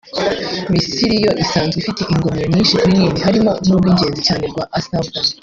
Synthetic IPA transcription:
mistiɾijo̞ʔisaːnzɡefite̞ʔiŋɡo̞moɲɲiːnʃikuɾiniːmiɦaɾimo̞nuːbɡwiːɲɟe̞ːnzicaːne̞ɾɡwaʔasavɡa

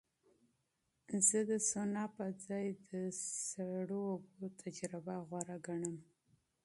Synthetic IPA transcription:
zəd̪əsonɑpəd͡zɑjd̪əsaɽoobot̪ʰad͡ʒɾɪbaɣwaɾaɡaɳəm

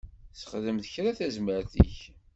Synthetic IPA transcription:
sə̥χðəmθəçɾaθæzməɾθḭç

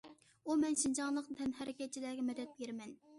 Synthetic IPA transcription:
umɛnʃind͡ʒɑŋlˠəqnt̪ʰɛnɦɛɾɪkʲɛt̪̚t͡ʃʰilæːɡʲɛmɛd̪ɛt̪̚beɾmɛn

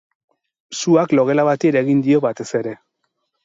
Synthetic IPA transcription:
suaklo̞ɣe̞laβat̪ieɾeɣind̪io̞βat̪e̞se̞ɾe̞

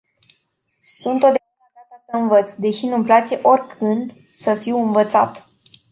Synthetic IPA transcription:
sunt̪od̪evɾakakasəɨnvət̪sd̪e̞ʃinumplat͡ʃe̞ʔo̞rʲkʰɨnd̪ | səfiwɨnvət̪sa̰t̪

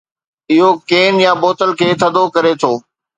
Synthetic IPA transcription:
ɪɦokeːnjãboːt̪əlkʰeːt̪ʰɐd̪ʱokɐɾet̪ʰoː

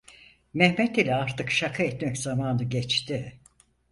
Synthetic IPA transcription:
mɛhmɛt̪ilʲɛaɾt̪ʰɯkʃakʰaɛt̪mɛczamaːnɯɟɛt͡ʃt̪ɪ

